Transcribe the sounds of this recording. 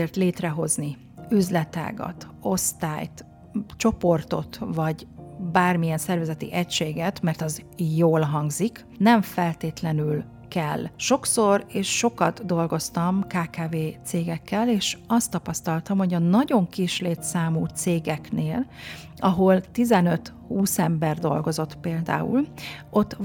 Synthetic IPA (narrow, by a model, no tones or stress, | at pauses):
ert̪leːt̪rɛɦo̞zni | yzlɛt̪a̰ːɡɒ̰t̪ | o̞st̪a̰ːjt̪ | t͡ʃo̞po̞rt̪o̞̰t̪vɒɟbaːrmijɛnsɛrvɛzɛt̪ḭʔɛcʃeːɡɛt̪mɛrt̪ɒzjoːlɦɒŋɡzik | nɛɱfɛlt̪eːt̪lɛnyl | kɛlːʃo̞kso̞reːʃːo̞kɒt̪d̪o̞lɡo̞st̪ɒmkaːkaːveːt̪seːɡɛkːɛleːʃɒst̪ːɒpɒst̪ɒlt̪ɒmho̞ɟɒnɒɟo̞ŋkiʃleːt̪saːmuːt̪seːɡɛkneːl | ɒɦo̞lt̪izɛnø̞t̪ | huːsɛmbɛrd̪o̞̰lɡo̞zo̞t̪peːld̪a̰ːṵlo̞t̪ː